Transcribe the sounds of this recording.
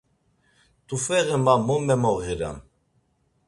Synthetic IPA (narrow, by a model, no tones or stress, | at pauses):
t̪ʰʼufɛɣɛmamɔmɛmɔɣiɾa̰n